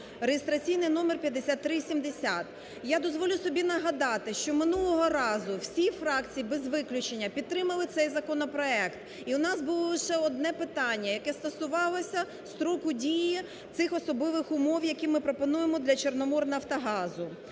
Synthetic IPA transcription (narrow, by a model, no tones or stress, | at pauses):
rejest̪ɾɐt͡sʲijnɪjnɔmerpʲjɐd̪ːesʲat̪ːɾɪsʲimd̪esʲat̪ | jad̪ɔzʋɔlʲʊsɔbʲinɐɦɐd̪ɑt̪ɪʃt͡ʃɔmɪnulˠɔɦɔɾɑzʊwsʲifɾɑkt͡sʲijibɛzʋɪklʲʊt͡ʃenʲːɐpʲid̪t̪ːɾɪmɐlˠɪt̪sɛjzɐkɔnɔpɾɔɛkt̪ | iʊnɑsbʊlˠɔlˠɪʃɛɔd̪nɛpɪt̪ɑnʲːɐjɐkɛst̪ɐsʊʋɑlˠɔsʲɐ | st̪ɾɔkʊdʲiji | t̪ɪxɔsɔb̪ˠɪʋɪxʊmɔwjɐkimɪpɾɔpɔnujemɔd̪lʲɐt͡ʃernɔmɔrnɐft̪ɐɦɑzʊ